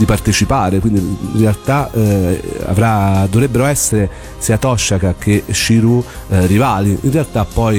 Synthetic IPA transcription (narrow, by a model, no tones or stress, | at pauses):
d̪ipart̪et͡ʃipaːɾekwind̪inrealt̪a | a̰vɾad̪ːovɾɛbːeɾoɛsːeɾe | siːat̪ɔʃːakak̟eʃːiɾu | rivaːliinrealt̪apːɔj